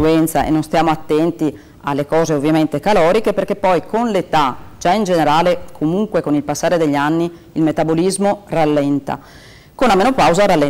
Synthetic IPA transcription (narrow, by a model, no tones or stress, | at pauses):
uɛnt̪saʔḛnːonst̪jaːmoat̪ːɛnt̪i | a̰lːekɔːzeovːjament̪ekalɔːɾikeperkepːɔjkonlet̪ad͡ʒaind͡ʒeneɾaːlekʰomuŋkwekonilpasːaːɾed̪eʎːanːi | ilmet̪abolizmoralːɛnt̪a̰ | konːamenopawzaɾalːɛ